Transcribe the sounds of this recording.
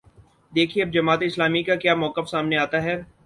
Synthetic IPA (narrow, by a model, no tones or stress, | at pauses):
d̪eːkʰieɐb̚d͡ʒɐmaːt̪eɪslaːmikakjaːmɔːkəfsaːmneaːt̪aɦɛː